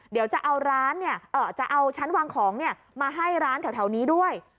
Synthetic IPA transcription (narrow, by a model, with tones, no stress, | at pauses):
di˨˩˦wt͡ɕa˨˩ʔa˧wɾaː˦˥nːi˥˩ɐʔɤː˨˩t͡ɕa˨˩ʔa˧wt͡ɕʰa˦˥nwaː˧ŋkʰɔː˩˦ŋni˥˩ɐ | maː˧ɦa˥˩jɾaː˦˥nt̪ʰɛ˨˦wt̪ʰɛ˩˦wniː˦˥du˥˩əj